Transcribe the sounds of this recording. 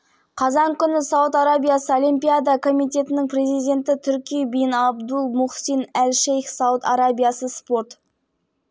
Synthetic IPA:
qʰɑzɑŋkʲʰʏnɪsɑwət̪aɾabʲijasəolijmpʲijad̪akʰo̞mijt̪e̞t̪ɪnɪŋpre̞zijd̪ʲe̞nt̪ɪt̪ʰʏɾkʲijebijɪnɑbd̪ulˠmʊχsinælʃejxsɑwət̪ɑɾabʲijasəspo̞ɾt̪

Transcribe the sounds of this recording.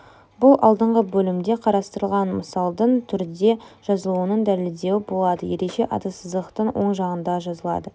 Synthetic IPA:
bʊlˠʔɑ̰lˠd̪əɴʁəbɵlɪmd̪e̞qʰɑɾɑst̪əɾəlˠʁɑnməsɑlˠd̪əɴt̪ʰʏɾd̪e̞ʒ̥ɑzəlˠuənəɴd̪æleld̪e̞wɪbo̞lˠɑd̪əje̞ɾeʃe̞ʔɑ̰t̪ɑsəzd̪əqt̪əɴwo̞ɴʒɑʁənd̪ɑʒɑzəlˠɑ̰d̪ə

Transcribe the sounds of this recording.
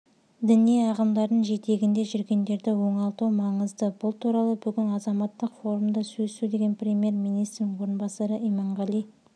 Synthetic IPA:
d̪ɪniijɑʁəmd̪ɑɾd̪əɴʒe̞t̪e̞ɡʲɪnd̪e̞ʒʏɾɡʲe̞nd̪e̞ɾd̪ɪwo̞ɴɑlˠt̪uwmɑɴəzd̪əbʊlˠt̪ʰuɾɑlˠəbʏɡʲɪnɑzɑmɑt̪ːəqfo̞ɾumd̪ɑsɵsud̪e̞ɡʲe̞nprʲe̞mʲije̞rmijnijst̪ɾnɪŋwo̞ɾənbɑsɑɾəʔijmɑɴʁɑlˠij

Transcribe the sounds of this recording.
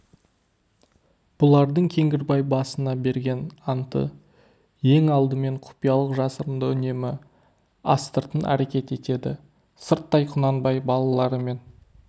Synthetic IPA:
b̥ʊlˠɑɾd̪əɴkʲʰe̞ŋɡʲɪɾbɑjbɑsənɑbe̞ɾɡʲe̞nɑnt̪ə̰ | je̞ŋɑlˠd̪əme̞ɴqʰʊ̥pijɑlˠəqʒɑsəɾənd̪əʏne̞mɪ | ɑst̪əɾt̪ənʔæ̰ɾe̞kʲe̞t̪e̞t̪e̞d̪ɪ | səɾt̪ːɑjqʰʊnɑnbɑjbɑlˠɑlˠɑɾəme̞n

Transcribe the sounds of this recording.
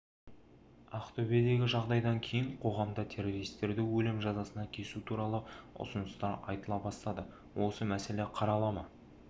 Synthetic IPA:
aqt̪ʰobied̪e̞ɡʲɪʒɑʁd̪ɑjd̪ɑŋkʲʰe̞jɪɴqʰo̞ʁɑmd̪ət̪ʰe̞ɾo̞ɾijst̪ːe̞ɾd̪ɪwɵlɪmʒɑzɑsənɑkʲʰe̞sut̪ʰuɾɑlˠəʊ̰sənəst̪ɑɾɑ̰jt̪əlˠɑbɑst̪ɑd̪ə | wʔo̞səmæse̞le̞qʰɑɾɑlˠɑmɑ

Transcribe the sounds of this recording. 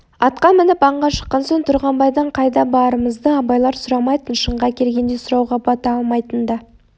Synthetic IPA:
ɑt̪̚qɑmɪnɪpɑɴʁɑʃə̥qːɑnsoŋt̪ʰʊɾʁɑmbɑjd̪ɑɴqʰɑjd̪ɑbɑɾəməzd̪əɑbɑjlˠɑɾsʊɾɑmɑjt̪ənʃəɴʁɑkʲʰe̞ɾɡʲe̞nd̪esʊɾɑwʁɑbɑt̪ɑɑlˠmɑjt̪ənd̪ɑ

